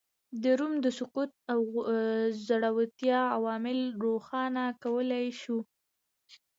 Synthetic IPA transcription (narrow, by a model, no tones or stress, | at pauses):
d̪əɾumd̪əsʊqut̪̚aw | zaɽawat̪jɑawɑmɪlɾoxɑnakawəlajʃu